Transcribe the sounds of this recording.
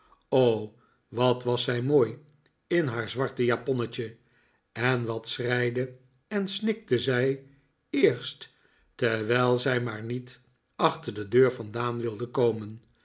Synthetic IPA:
ow | ʋɑtʋɑsɛjmoːj | ɪnɦaːɹzʋɑɹtəjapɔnət͡ʃə | ɛnʋɑtsrɛjdə | ɛnsnɪk̚təzɛj | ɪːɹst | tɛʋɛjlˠzɛjmaːɹnit | ɑχtəɹdədøːɹfɑndaːnʋɪlˠdəkowmən

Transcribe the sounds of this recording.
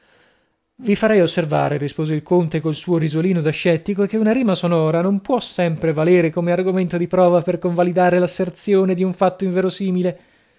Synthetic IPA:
vifaɾɛjosːerva̰ːɾeɾispoːzeilkont̪ekolsuːoɾizoliːnod̪aʃːɛt̪ːikoek̟eunaɾiːmasonɔːɾanompwɔsːɛmpɾevaleːɾekomearɡoment̪od̪ipɾɔːvaperkoɱvalid̪aːɾelasːert̪sjoːned̪iuɱfat̪ːoiɱveːɾosiːmile

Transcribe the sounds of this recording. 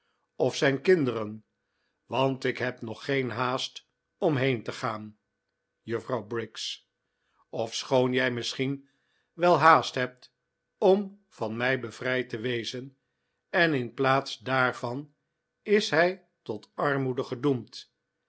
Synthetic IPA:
ɔfsɛjnkɪndəɾən | ʋɑntɪkɦɛpnɔχejnɦaːst | ɔmɦejntəχaːn | jəfrɑwbrɪks | ɔfsχownjɛjmɪsχin | ʋɛlˠɦaːstɦɛp̚t | ɔm | v̥ɑnmɛjbəv̥rɛjtəʋejzən | ɛnɪnplaːtsdaːɹvɑn | ɪsɦɛj | tɔtɑɹmudəχədumt

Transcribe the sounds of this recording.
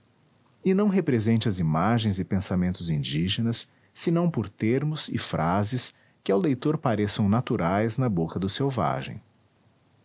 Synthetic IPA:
ɪnɐ̃w̃ɦepɾezẽnt͡ʃɪɐzimaʒẽj̃zɪpẽsamẽnt̪ʊzĩnd͡ʒiʒenɐsː | ɪnɐ̃w̃poɾt̪eɾmʊsɪ̰fɾʔazɪs | kɪawlejt̪oɾpaɾesɐ̃w̃nat̪uɾajznɐbokɐd̪ʊsewva̰ʒḛ̃j̃

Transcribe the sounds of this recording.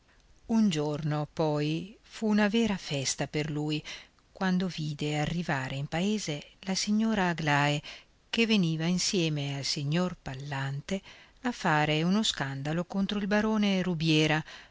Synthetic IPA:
und͡ʒornopɔjfuːnavɛːɾafɛst̪aperluːj | kwand̪oviːd̪earːivaːɾeimpaeːzelasiɲːoːɾaːɡlaːe | keveniːvainsjɛːmealsiɲːorpalːant̪e | afːaːɾeunoskand̪alokont̪ɾoilbaɾoːneɾubjɛːɾa

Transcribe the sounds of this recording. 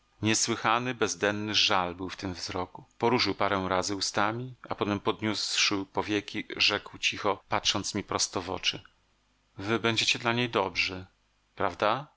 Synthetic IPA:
ɲɛswɘxanɘbɛzd̪ɛnːɘʐalbɘwft̪ɘmvzɾɔkupɔɾuʂɘwpaɾɛw̃ɾazɘust̪amʲiapɔt̪ɛmpɔd̪ɲusʂɘwpɔvʲjɛkʲiʐɛkwt͡ɕixɔpatʂɔnt̪smʲipɾɔst̪ɔvɔ̰t͡ʂɘ | vɘbɛɲd͡ʑet͡ɕɛd̪laɲejd̪ɔbʐɘ | pɾavd̪a

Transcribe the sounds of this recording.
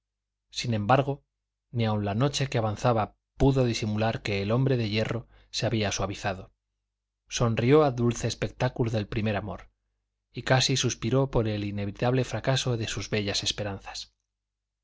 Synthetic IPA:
sinẽ̞mbaɾɣ̞o̞ | niawnlano̞t͡ʃe̞keaβanθaβa | puðo̞ðisimulaɾke̞ːlo̞mbɾe̞ðe̞ʝe̞ro̞ | se̞aβiaswaβiθaðo̞ | so̞nrio̞aðulθe̞ːspe̞k̚t̪akuloðe̞lpɾime̞ɾamo̞̰ɾ | ikasisuspiɾo̞po̞ɾe̞line̞βit̪aβle̞fɾakaso̞ðe̞suzβe̞ʝase̞spe̞ɾanθḁs

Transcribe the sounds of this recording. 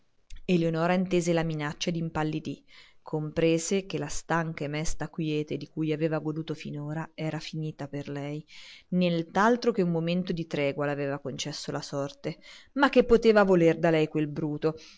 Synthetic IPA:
elːeonɔːɾaint̪eːzelaminat͡ʃːad̪impalːid̪ikʰːompɾeːzekelast̪aŋkamɛst̪akwjɛːt̪ed̪ikujaveːvaɡod̪uːt̪ofḭnoːɾaɛːɾafiniːt̪aperlɛjnelt̪alt̪ɾok̟eumːoment̪od̪it̪ɾɛːɡwalaveːvakont͡ʃɛsːolasɔrt̪emakːepːot̪eːvavolerd̪alɛjkwelbɾuːt̪o

